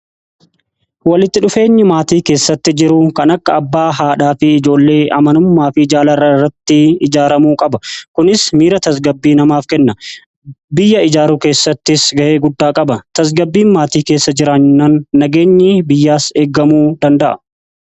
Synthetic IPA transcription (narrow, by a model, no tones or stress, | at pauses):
wɐlɪt̪ːɪᶑʊfe̞ːɲːɪmaːt̪iːke̞ːsːɐt̪ːɪd͡ʒɪɾʊkɐnɐkːɐːbːaːɦaːᶑaːfɪɪd͡ʒo̞ːlːe̞ːʔɐmɐnʊmːaːfɪɪd͡ʒaːlɐɾɐrːɐt̪ːɪɪd͡ʒaːɾɐmuːkʼɐbɐkʊnɪsmiːɾɐt̪ɐs̬ɡɐbːiːnɐmaːfkɛnːɐ | bɪjːɐɪd͡ʒaːɾuːke̞ːsːɐt̪ːɪsɡɐʔe̞ːɡʊd̪ːaːkʼɐbɐt̪ɐs̬ɡɐbːiːnmaːt̪iːke̞ːsːɐd͡ʒɪɾaːɲːʊnɐnːɐɡe̞ːɲːɪbɪjːaːse̞ːɡɐmuːd̪ɐnd̪ɐʔɐ